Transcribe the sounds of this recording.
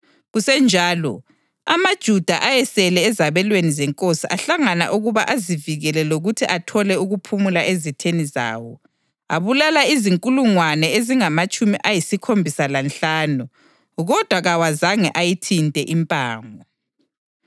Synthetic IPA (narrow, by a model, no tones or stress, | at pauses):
ɣusɛnd͡ʒʱaːlɔ̰ | amad̥ʒ̥ʱud̥ʱaʔajɛsɛlɛːzaβɛlwenizɛŋkʼosiʔaɬaŋana̰ʔuɣuβa̰ʔaziviɣɛlɛloɣutʰiʔatʰɔlɛuɣupʰumulaʔezitʰeniza̰ːwɔ | a̰βulalaiziŋkʼuluŋwanɛeziŋamat͡ʃʼumiʔajisikʰombʱisalanɬaːnu | ɣɔd̥ʱwaɣawazaŋɛʔajitʰintʼɛʔimpʼaːŋɔ